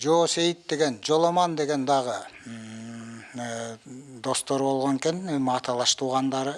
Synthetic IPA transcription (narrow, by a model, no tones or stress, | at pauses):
d͡ʒoːsejit̪d̪e̞ɡe̞nd͡ʒo̞lˠomɑnd̪e̞ɡe̞nd̪ɑʁɯ | d̪o̞st̪o̞ɾbo̞lˠʁoŋkenmɑːt̪ʰɑlˠɑʃt̪ʰuːʁɑnd̪ɑɾɯ